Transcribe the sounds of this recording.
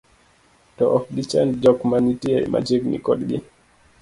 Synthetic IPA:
tɔʔɔfdit͡ʃandd͡ʒɔkmanitiaḭmʔa̰d͡ʒiɡnḭkɔdɡi

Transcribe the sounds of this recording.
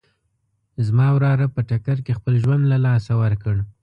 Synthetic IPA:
zmɑwɾɑɾapəʈakaɾkexpəlʒwand̪lalɑsawəɾkəɽ

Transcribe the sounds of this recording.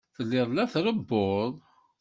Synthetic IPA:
θəlːɪðˤlæθɾəbːoðˤ

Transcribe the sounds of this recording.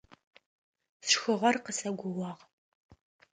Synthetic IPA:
sʂxɨʁɐrqəsɐɡʷʊwɑːʁ

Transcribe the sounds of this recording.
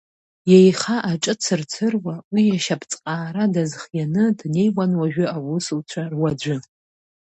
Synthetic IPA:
jejχaʔaʈ͡ʂʼɨt͡sʰɨrt͡sʰɨrwawijaʃapʰt͡sʼqʼaːɾadazχjanɨdne̞jwanwaʒᶣʊawʊsuwt͡ɕʷʰarwad͡ʒʷʊ

